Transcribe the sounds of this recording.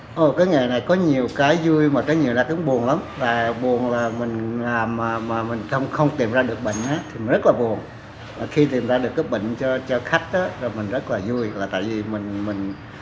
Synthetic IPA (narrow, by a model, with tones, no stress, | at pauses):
ʔo˨˩kaː˨˦jŋa˨˩na˨˩jkɔ˨˦ɲi˨˩əwkaː˨˦jzu˧jmaː˨˩kaː˨˦jɲi˨˩əwnaː˧˩kʊ˨˦ŋɓu˨˩ənla˨˦mlaː˨˩ɓu˨˩ənlaː˨˩mï˨˩ŋ̟laː˨˩mːaː˨˩maː˨˩mï˨˩ŋ̟t̪ʰə˧wŋ͡mxə˧wŋ͡mt̪i˨˩mzaː˧ɗɨ˨˩ək̚ɓə̰˧˨ŋ̟ʔaː˨˦t̪ʰi˨mi˨˩nzə˦˥t̚laː˨˩ɓu˨˩ən | maː˨˩xi˧t̪i˨˩mzaː˧ɗɨ˨˩əkːaː˨˦jɓə̰˧˨ŋ̟t͡ɕɔ˧t͡ɕɔ˧xa˦˥k̟̚ʔaː˨˦zo˨˩jmï˨˩ŋ̟zə˦˥t̚laː˨˩zu˧əjlaː˨˩t̪a̰ː˧˨jvi˨˩mï˨˩ŋ̟mï˨˩ŋ̟